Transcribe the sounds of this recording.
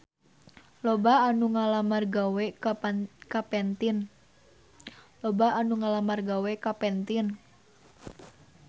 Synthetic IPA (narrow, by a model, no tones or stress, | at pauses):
lobaanuŋalamarɡawɛkkapɛnt̪in | lobaanuŋalamarɡawɛkapɛnt̪ɪn